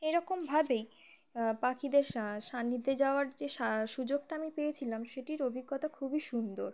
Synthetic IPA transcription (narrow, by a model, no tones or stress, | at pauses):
ejɾɔkombʱabej | pakid̪eɾʃanːid̪ʱːed͡ʑaoaɾd͡ʑeʃaʃud͡ʑoɡ̚ʈaamipejet͡ɕʰilamʃeʈiɾobʱiɡːɔt̪akʰubiʃund̪oɾ